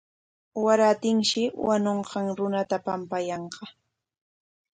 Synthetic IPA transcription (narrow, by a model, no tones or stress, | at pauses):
waɾat̪ɪŋʃɪwanoɴqɑŋɾʊnat̪apampajɑɴqɑ